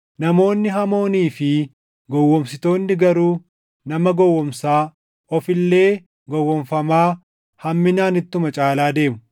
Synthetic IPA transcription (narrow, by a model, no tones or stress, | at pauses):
nɐmo̞ːnːɪɦɐmo̞ːniːfɪ | ɡɔwːɔmsɪt̪o̞ːnːɪɡɐɾuː | nɐmɐɡɔwːɔmsaː | ɔfɪlːe̞ː | ɡɔwːɔɱfɐmaː | hɐmːɪnaːnɪt̪ːʊmɐt͡ʃʼaːlaːd̪e̞ːmʊ̥